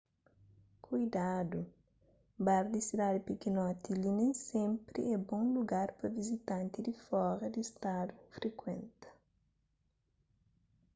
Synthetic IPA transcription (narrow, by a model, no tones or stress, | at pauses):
kʰujd̪ad̪u | baɾd̪isidad̪ipikinɔt̪ilinẽj̃sẽmpɾḭɛbõŋluɡaɾpɐvizit̪ɐ̃nt̪id̪ifɔɾɐd̪ist̪ad̪ufɾekwẽnt̪ɐ̥